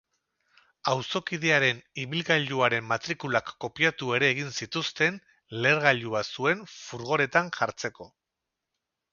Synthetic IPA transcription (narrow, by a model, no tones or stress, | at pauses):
awso̞kiðeaɾe̞niβilɣaʎuaɾe̞mːat̪ɾikulakːo̞piat̪ue̞ɾe̞ːɣinsit̪ust̪e̞n | le̞ɾɣaʎuasue̞ɱfuɾɣ̞o̞ɾe̞t̪anʝaɾt͡se̞ko̞